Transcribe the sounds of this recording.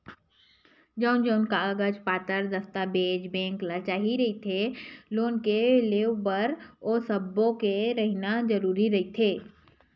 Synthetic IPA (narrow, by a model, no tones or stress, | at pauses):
d͡ʒəʊnd͡ʒəʊnkaɐɡəd͡ʒpaːt̪əɾd̪ɐst̪abeːd͡ʒbɛ̃ːŋklat͡ʃaːɦiɾɐɦit̪ʰeloːnkeleːwbəɾosɐbːõkeɾɐɦinad͡ʒɐɾuːɾiɾɐɦit̪ʰeː